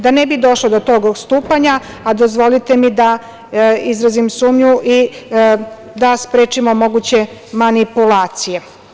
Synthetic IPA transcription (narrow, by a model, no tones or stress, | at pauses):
d̪anebid̪o̞ʃlod̪ot̪o̞ɡost̪uːpaɲa | ad̪o̞zʋo̞lit̪e̞mid̪a | izɾazimsuːmɲuʔi | d̪aspɾeːt͡ʃimo̞mo̞ɡut͡ɕe̞manipulaːt̪sije̞